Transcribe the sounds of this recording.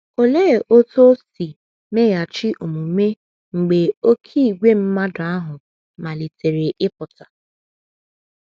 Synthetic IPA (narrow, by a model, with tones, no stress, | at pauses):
o˨le˦˨ʔo˦to˦si˨ | me˦ja˨t͡ʃɪ˦ʔo˨mu˨me˦ | ŋ͡m̩˨ɡ͡be˨o˦kʰi˦i˨ɡʷe˦m̩˦ma˦dʊ˨a˦ɦʊ˨ | ma˨li˨te˨ɾe˨ʔɪ˦pʊ˨ta˨